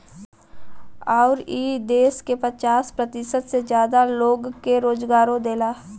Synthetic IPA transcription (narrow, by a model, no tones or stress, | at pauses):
ɔːɾiːd̪eːskepət͡ʃaːspɾət̪ɪsət̪sed͡ʒjaːd̪aloːɡkeɾoːd͡ʒɡaːɾõd̪eːlaː